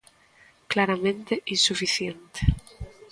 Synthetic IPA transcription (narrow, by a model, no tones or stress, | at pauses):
klaɾamẽnt̪eʔinsufiθjent̪e̥